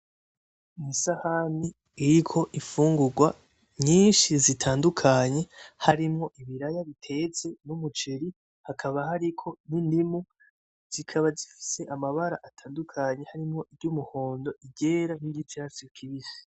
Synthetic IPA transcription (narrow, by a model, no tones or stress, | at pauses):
nisahani | iɾikʰo̞ʔifuːŋɡuɡwa | ɲiːnʃizitʰaːndukʰaɲe̞haɾimŋo̞ʔiβiɾajaβitʰe̞t͡se̞numut͡ʃeɾi | hakʰaβaɦaɾikʰo̞nindimu | z̥ikʰaβazifi̥se̞ʔamaβaɾa̰ʔatʰaːndukʰaɲe̞haɾimŋo̞ʔivɟuːmuho̞ːndo̞ʔiɟe̞ɾaniɟit͡ʃasikʰiβisi̥